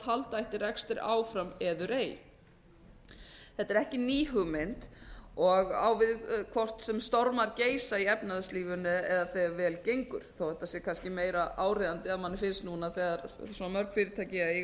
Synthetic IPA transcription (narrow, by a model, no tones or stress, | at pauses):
t̪halt̪aɛht̪ɪɾrɛkst̪ɪɾa̰ːwfɾamɛðʏɾeːj | θɛt̪ːɛɾɛhcɪniːɦʏmɪnt̪ɔɣa̰ːwvɪðkʰvɔr̥t̪sɛmst̪ɔɾmaɾceːjsaiɛpnaðʏsliːvʏnːʏɛðaθɛvɛːlcejŋkʏɾ̥θowhɛht̪ːasɛkʰanscɪmeːjɾaʔaːwreðant̪ɪaðmanːɪfɪnst̪nunaθɛːðaɾsɔnamœɾkfɪːɾɪt̪ʰaːjcɪaɪ